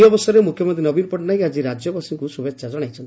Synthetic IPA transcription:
ɔbɔsɔɾemukʰjɔmɔnt̪ɾinɔbinpɔʈnaiad͡ʒiɾad͡ʒjɔbasiŋkusubʱeksad͡ʒɔɽ̃ajt͡ʃʰɔnt̪

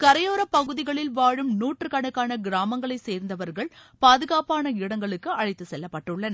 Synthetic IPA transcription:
kɐɾɐjoːɾɐpːɐɣɯðɪɣɐɭɪlʋaːɻɯmnuːʈrɯkɐɳɯkːaːnɐɡɪɾaːmɐŋɡɐɭɐɪseːɾnd̪ɐʋɐɾɣɐɭpaːðɯɣaːpaːnɐɪɽɐŋɡɐɭɯkːɯɐɻɐɪt̪ːɯsɛlːɐpːɐʈːɯɭːɐnɐ

